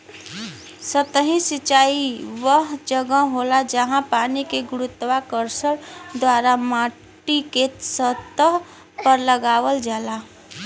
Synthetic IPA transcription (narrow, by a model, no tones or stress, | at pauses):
sət̪əɦĩsit͡ʃaiʋəɦd͡ʒəɡə̃ɦolad͡ʒəɦãpanikeɡuɾut̪ːwakəɾsəɽd̪waɾama | ʈiket̪sət̪əɦ | pəɾləɡaʋəld͡ʒala